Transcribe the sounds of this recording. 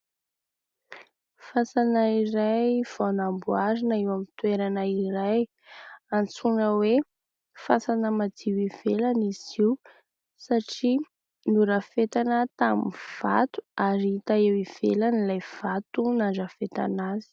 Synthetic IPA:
fasanaiɾajv̥anambuaɾinaewamit̪weɾanaiɾaj | ant͡suɳəwe | fasanəmad͡z̪iwiv̥elaniz̥iw | saʈ͡ʂi | nuɾafet̪anət̪aminv̥a̰t̪u̥aɾiit̪aewiv̥elanilajv̥at̪unaɳɖ͡ʐəfet̪a̰nazi̥

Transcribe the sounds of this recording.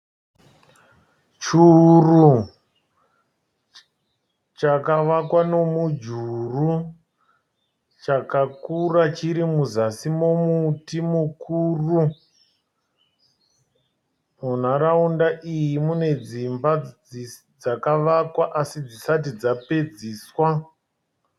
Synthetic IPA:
t͡ʃuru | t͡ʃakaʋakwano̞mud͡ʒuru | t͡ʃakakurat͡ʃiɾimuzasimo̞mutimukuːru | mun̤aɾaundaʔijimune̞d͡zimba | d͡zakaʋakwaʔasid͡zisat̬id͡zape̞d͡ziːswa

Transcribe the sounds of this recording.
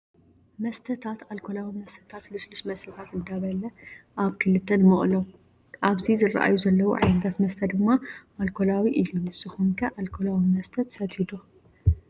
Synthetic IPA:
mɐst̪ʰɐt̪ʰat̪alkʰolawimɐst̪ʰɐt̪ʰat̪luslusmɐst̪ʰɐt̪ʰat̪ɨnd̪aβɐlɐʔaβkʰɨlɨt̪ʰːɐnmɨχʼlo | ʔaβzizɨra̰ʔa̰juzɐlːɐwṵʕa̰jnɐt̪ʰat̪mɐst̪ʰɐd̪ɨmːaʔalkʰolawiʔɨlːunɨsɨxumkʰɐʔalkʰolawimɐst̪ʰɐt̪sɐt̪id̪o

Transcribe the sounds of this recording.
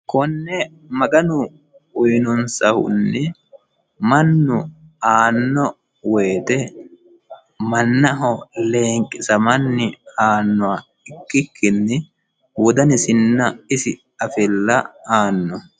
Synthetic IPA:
kɔnːɛ | mɐɡɐnʊ | ʊjnɔnsɐhʊ̰nːɛ | mɐnːʊ | aːnːɔ | weːt̪ɛ | mɐnːɐɦɔleːŋkʼːɪsɐmɐnːɪaːnːʊwa | ɪkːɪkːɪnːɪ | wɔd̪ɐnɪsɪnːɐɪsɪ | ɐfɪlːɐaːnːɔ

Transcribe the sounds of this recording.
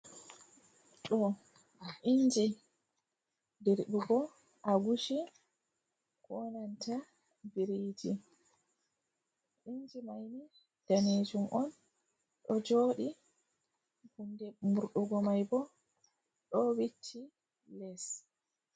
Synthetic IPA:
ɗɔ | ʔind͡ʒi | diɾɗuɡɔ | ʔaɡuʃi | kɔnantʰa | biɾiːd͡ʒi | ʔind͡ʒimajni | d̥aned͡ʒumʔɔn | ɗɔd͡ʒoːɗi | hundɛmuɾɗuɡɔmajbɔ | ɗɔwitʰːi | lɛs

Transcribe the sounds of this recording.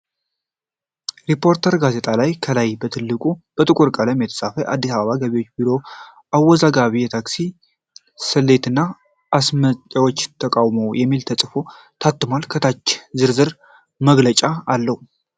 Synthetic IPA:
ɾipʰo̞ɾt̪ʰəɾɡaze̞t̪ʰʼalajkʰəlajbət̪ʰɨlːɨkʼub̥ət̪ʼɨkʼuɾkʼələmjɛt̪ʰə̥sʼafəʔa̰d̪ːisaβəβaɡəβewot͡ʃːbiɾo̞ | ʔawːɔzaɡaβijɛt̪ʰaksi | sɨlːe̞t̪ɨnːa | ʔːsməəwo̞t͡ʃːt̪ʰəkʼawmo̞jɛmːilt̪ʰəsʼɨfo̞ | t̪ʰat̪ːɨmalkʰət̪ʰat͡ʃːzɨɾzɨɾ | məɡlət͡ʃʼaːlːəhu

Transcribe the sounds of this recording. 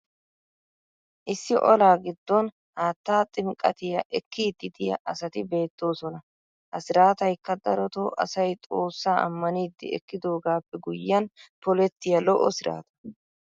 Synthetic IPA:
ʔɪsːɪʔɔlaːɡɪd̪ːɔn | haːt̪ːaːt̪ʼɪmkʼːɐ̰t̪ɪjɐʔɛkːiːd̪ːɪd̪ɪjɐ̰ʔɐsɐt̪ɪbe̞ːt̪ːo̞ːsɔnɐ | hɐsɪɾaːt̪ɐjkːɐd̪ɐɾɔt̪oːʔɐ̰sɐjt̪ʼo̞ːsːaːʔɐ̰mːɐniːd̪ːɪ̰ɛ̰kːɪd̪o̞ːɡaːpːɛɡʊjːɐnpɔlɛt̪ːɪjɐlɔʔɔsɪɾa̰ːt̪ɐ̥

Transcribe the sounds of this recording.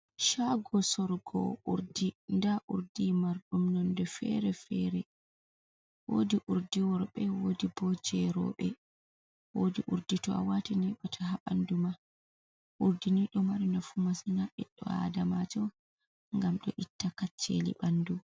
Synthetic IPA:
ʃaɡɔsɔɾɡɔ̰ʔuɾdindaʔuɾdimaɾɗumnɔndɛfɛ̰ɾɛfɛɾɛ | wodiʔuɾdiwɔɾɓɛwodibɔd͡ʒɛɾɔ̰ɓɛ | wodiʔuɾditɔa̰watinɛɓatʰaɦaɓanduma | ʔuɾdiniɗɔmaɾinafumasinaʔɛɗːɔ̰a̰damad͡ʒɔ | ŋɡamɗɔ̰ʔitːakat͡ʃːelḭɓandu

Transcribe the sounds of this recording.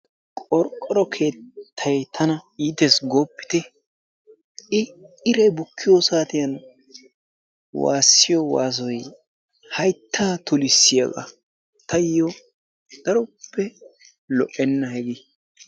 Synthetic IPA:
kʼɔɾkʼːɔɾɔkʰe̞ːt̪ʰːɐjt̪ʰɐnɐiːt̪ɛsɡoːpːɪ̥t̪ɛ | ɪɪɾɛbʊkʰːɪjosaːt̪ɪjɐn | wa̰ːsːɪjɔwa̰ːs̬ɔj | hɐjt̪ʰːaːt̪ʊlɪsːɪjɐ̰ɡɐ̰ | t̪ʰɐjjɔ | d̪̥ɐɾɔpʰːɛ | lɔ̰ʔɛnːɐhɛɡɪ

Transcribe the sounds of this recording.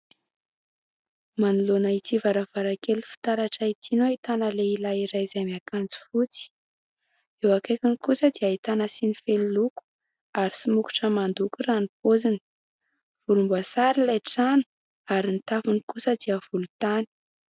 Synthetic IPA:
manulonait̪ivaɾavaɾakelufi̥t̪aɾaʈ͡ʂait̪ʰinoait̪anəleilaiɾajzamiakand͡zi̥fut͡si̥ | ewakekinikusəd̪iait̪anəsinifeliluku̥ | aɾisimuku̥ʈ͡ʂəmand̪ukuranipod͡zinə̥ | v̥ulumbuasaɾilajʈ͡ʂani̥ | aɾint̪afunikusəd̪iəv̥ulut̪ani̥

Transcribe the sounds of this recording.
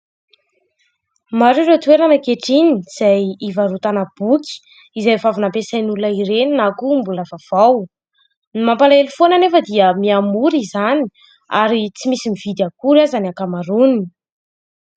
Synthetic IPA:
maɾuɾewt̪weɾanəkeʈ͡ʂiniz̥ajivaɾut̪anab̥uki̥ | izajvavunampesajnulunaiɾeninakumbuləvav̥aw | nimampalaelufonanefəd̪iəmiamuɾizani̥ | aɾit͡simisimivid̪akuɾazanakamaɾunii

